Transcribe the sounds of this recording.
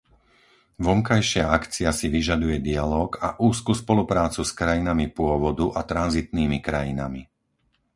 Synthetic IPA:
ʋɔŋkajʃɪaakt͡siasiʋiʒad̪ujɛd̪ialɔːɡaʔuːskuːspɔlupɾaːt͡suskɾajinamipʊɔʋɔd̪uʔat̪ɾanzit̪niːmikɾajḭna̰mi

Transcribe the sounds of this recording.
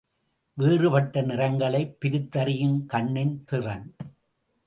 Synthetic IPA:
ʋeːrɯpɐʈːɐnɪrɐŋɡɐɭɐɪpːɪɾɯt̪ːɐɾɪjɯmkɐɳːɪnt̪ɪrɐn

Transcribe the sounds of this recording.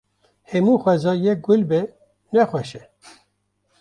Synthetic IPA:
hɛmuːxʷɛzɑːjɛk̚ɡʊlbɛ | nɛxwɛʃɛ

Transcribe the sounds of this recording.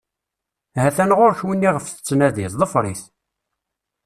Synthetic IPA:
hæθænʁoɾçwinːiʁəfθə̥t͡sːnæðiθðˤəfɾˤiθ

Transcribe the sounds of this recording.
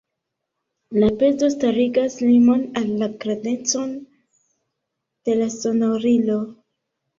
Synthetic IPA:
lape̞zo̞staɾiɡaslimo̞nalːaɡɾane̞t͡so̞n | d̥e̞laso̞noɾilo̞

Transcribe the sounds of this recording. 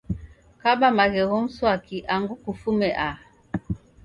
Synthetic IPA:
kabamaɣɛɣɔm̩swakiʔaŋɡukufumɛʔa

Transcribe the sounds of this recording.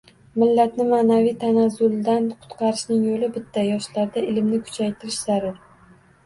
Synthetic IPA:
mɪlːat̪nɪmanavijt̪ʰanazʊlˠd̪anqʰʊ̥t̪qʰɑɾɪʃnɪŋjolɪbɪt̪ʰːajɒʃlaɾd̪aɪlmnɪkʰʊ̥t͡ʃʰajt̪ʰɪɾɪʃz̥aɾɪɾ

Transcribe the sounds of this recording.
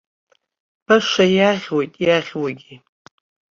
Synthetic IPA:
b̥aʂajaʁʲwojtʼjaʁʲwaɡʲi

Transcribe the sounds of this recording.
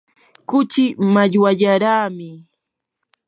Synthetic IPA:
kʊt͡ʃɪmaʎwaʎaɾaːmɪ

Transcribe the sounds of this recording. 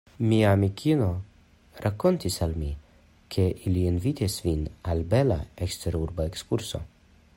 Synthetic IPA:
miamikʰino̞ | ɾako̞ntisalmi | kʰe̞ʔilienvit̪isvinalbe̞la̰ekst̪eɾuɾbaekskuɾso̞̰

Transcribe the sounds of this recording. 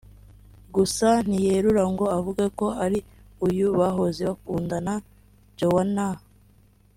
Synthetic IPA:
ɡusan̥ijeɾuɾaŋɡo̞avuɡako̞aɾiujuβaɦo̞ziβakuːndana | ɟowana

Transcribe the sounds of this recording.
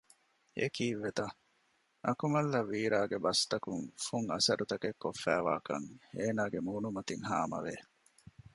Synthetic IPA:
ḛkiːʋːet̪ɐ | ʔɐ̰kumɐlːɐʋiːɾaːɡebɐst̪ɐkuŋfuŋɐsɐɾʔut̪ɐkekːofːæːʋa̰ːkɐ̰ŋeːnaːɡemuːnumɐt̪iŋha̰ːmɐ̰ʋe

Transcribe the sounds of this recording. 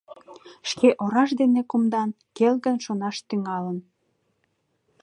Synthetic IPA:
ʃkeʔoɾɑʃd̪enekumd̪ɑn | kelɣənʃonɑʃt̪yŋɑlən

